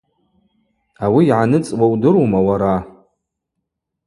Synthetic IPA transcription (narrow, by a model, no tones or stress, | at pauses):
awiːʕanɨt͡sʼwawdɨɾwmawaɾa